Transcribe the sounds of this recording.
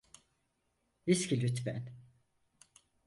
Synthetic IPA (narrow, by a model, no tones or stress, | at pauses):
viscʲilyt̪bæ̰n